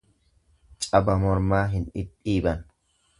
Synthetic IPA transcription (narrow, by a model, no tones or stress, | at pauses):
t͡ʃʼɐbɐmɔɾmaːɦɪnɪpʼːiːbɐn